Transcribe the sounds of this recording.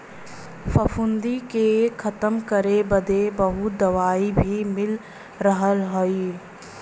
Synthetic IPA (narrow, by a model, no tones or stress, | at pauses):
fʰəfʰʊnd̪ikekʰət̪əmkəɾebəd̪ebəɦʊd̪əʋaːibʱimɪl | ɾəɦəlɦoi